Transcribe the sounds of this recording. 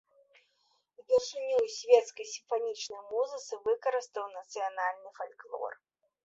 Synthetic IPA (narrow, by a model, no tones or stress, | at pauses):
bʲɛrʂɨnʲujsʲvʲɛt̪skɐjsʲimfanʲit͡ʂnɐjmuzɨt̪sɨvɨkɐɾɨst̪əwnɐt̪sɨjanalʲnɨfalʲklˠɔ̰r